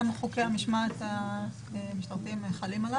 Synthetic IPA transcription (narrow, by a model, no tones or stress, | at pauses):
mχokeamiʃmat̪a | miʃt̪aʁtimeχalimala